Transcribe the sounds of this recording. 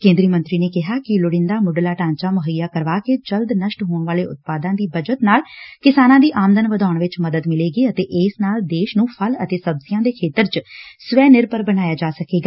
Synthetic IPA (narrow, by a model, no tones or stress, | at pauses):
kẽːnd̪ɾiːmə̃nt̪ɾiːneːkɪɦaːkɪlʊɽɪnd̪aːmʊɖlaːʈãːɲt͡ʃaːməɦəjːaːkəɾʋaːkeːd͡ʒəld̪nəʃʈɦoːɳʋaːleːʊ̰t̪̚paːd̪ãːd̪iːbəd͡ʒət̪naːlkɪsaːnãːd̪iːʔaːməd̪ənʋəd̪aːʊɳʋɪt͡ʃməd̪əd̪mɪleːɡiːət̪eːʔeːsnaːld̪eːʃnũːpʰələt̪eːsəbsɪjãːd̪eːkʰeːt̪əɾt͡ʃsʋɛːnɪɾpəɾbənaːjaːd͡ʒaːsəkeːɡaː